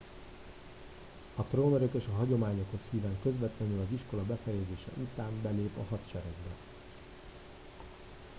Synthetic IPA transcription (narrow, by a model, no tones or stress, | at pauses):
ɒt̪roːnøɾøkeːʃɒɦɒɟo̞maːɲo̞kho̞shiːvaːŋkø̞zʋɛt̪lɛnylɒziʃko̞lɒbɛfɛjɛzeːʃɛ̰ʔut̪aːmbɛleːpɒ̰ɦɒt̪t͡ʃɛɾɛɡbɛ